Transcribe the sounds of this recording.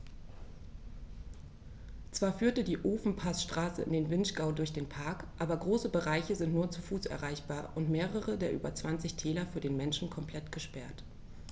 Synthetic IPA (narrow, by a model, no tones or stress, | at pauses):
t͡sv̥aːɐfyːɐtədiːʔoːfn̩pʰasʃtʁ̥aːsə̰ɪ̰ndeːnvɪnʃɡ̥aʊdʊɐçd̥eːnpʰaɐkʔaːbɐɡʁoːsəbəʁaɪçəzɪntnuːɐt͡sufuːsʔɛ̰ɐʁaɪçb̥aːɐʔʊntmeːʁəʁədeːɐʔy̰ːbɐt͡sv̥ant͡sɪçtʰɛːlɐfyːɐdeːnmɛnʃn̩kʰɔmpʰl̥ɛtɡ̥əʃpɛɐt